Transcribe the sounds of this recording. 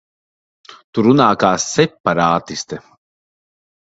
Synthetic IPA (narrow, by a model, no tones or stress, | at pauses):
t̪uɾunaːkaːsːɛpːaɾaːt̪ist̪ɛ